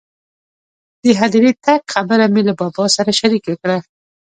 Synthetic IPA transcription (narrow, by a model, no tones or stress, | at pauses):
d̪̥əɦad̪ɾet̪aɡxabəɾamelabɑbɑsaɾaʃaɾikwəkɽa